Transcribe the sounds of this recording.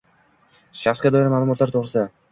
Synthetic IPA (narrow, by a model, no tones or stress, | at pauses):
ʃɑχskɑd̪ɔjɾamaːlˠumɔt̪laɾt̪ʰoʁɾɯsa